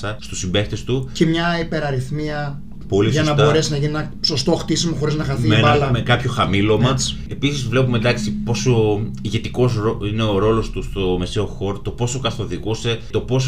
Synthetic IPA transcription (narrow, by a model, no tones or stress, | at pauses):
sɐst̪usimbe̞kt̪e̞st̪ucemɲɐipe̞ɾɐɾiθmiɐ | po̞lisʝɐsnɐbt̪o̞ɾesnɐʝinienɐso̞st̪o̞xt̪isimoxo̞ɾiznɐxɐθimeɐlmekɐpço̞xɐmilo̞mɐs | e̞pisizvle̞pumend̪ɐksipo̞soiʝe̞t̪iko̞sɾoine̞oɾo̞lo̞st̪ust̪o̞me̞seo̞xo̞ɾot̪o̞po̞sokɐθo̞ðiɣuse̞t̪o̞po̞s